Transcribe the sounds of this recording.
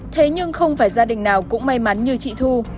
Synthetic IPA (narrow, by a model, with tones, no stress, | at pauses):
t̪ʰe˨˦ɲɨ˧ŋxə˧wŋ͡mfaː˧˩jzaː˧ɗï˨˩ŋnaː˨˩wkʊ̰˧˥ŋ͡mma˧jma˨˦nɲɨ˧t͡ɕḭ˧˨t̪ʰu˧